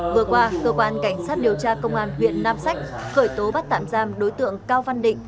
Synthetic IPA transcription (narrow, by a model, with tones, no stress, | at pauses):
vɨ˨˩əkwaː˧kəː˧kwaː˧nka˧˩jŋ̟saː˦˥t̚ɗi˨˩əwt͡ɕaː˧kə˧wŋ͡mʔaː˧nɦwḭ˧˨ənːaː˧msa˦˥jk̟̚xəː˧˩jt̪o˨˦ɓa˦˥t̚t̪a̰ː˧˨mzaː˧mɗo˨˦jt̪ɨ̰˧˨əŋkaː˧wva˧nɗḭ̈˧˨ŋ̟